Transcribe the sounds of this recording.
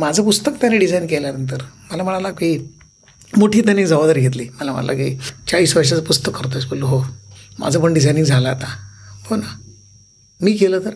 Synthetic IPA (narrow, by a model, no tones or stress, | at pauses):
mad͡zʱəpust̪əkt̪janeɖid͡zajnkeljanənt̪̬əɾməlaməɳalaɡkiː | moʈʰiːt̪anid͡zəʋəd̪əɾɡʱet̪̬liːməlamə̰ɳa̰lʔa̰kḭːt͡ɕaɭiːsʋəɾʂ̬at͡səpust̪əkːəɾt̪̬oesbəluɦomʔa̰d͡zʱəpəɳɖid͡zajniŋɡd͡zʱaləat̪ahona | miːkeləːt̪əɾ